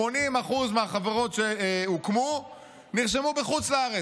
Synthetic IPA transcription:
onimaχuzmeaχaveʁo̞tʃeukmu | niʁʃ̬emubeχut͡slaaʁe

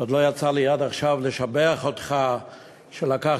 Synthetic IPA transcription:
od̪lojat͡salijad̪aχʃavleʃabeaχot̪χa | ʃelaka

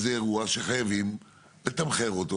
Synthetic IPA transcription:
zeːʁuaʃeχajavim | let̪amχeʁot̪o

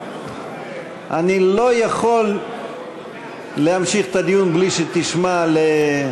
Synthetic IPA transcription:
ʔanilo̞jaχo̞l | ehamʃiχt̪ad̪ijunbliʃet̪iʃmale

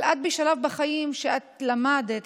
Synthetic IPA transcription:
lʔat̪̚biʃalavbaχajimʃeʔat̪lamad̪et̪

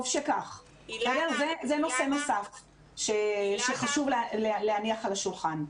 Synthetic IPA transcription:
vʃekaχ | odeʁzezeno̞se̞nosaf | ʃeʃeχaʃuvllealehaniaχalaʃulχan

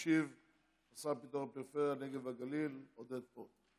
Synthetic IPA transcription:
ʃiv | asapit̪oʁapiʁfeʁjaneɡe̞vhaɡalilod̪ed̪̚po

